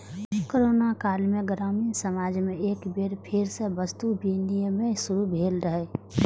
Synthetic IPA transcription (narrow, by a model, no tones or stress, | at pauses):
koɾoːnakaːlmẽɡəɾamisəmaːd͡ʒmẽeːkbeɾpʰɪɾsebəst̪ubʱinijəmẽsʊɾubʱeːlɾəɦe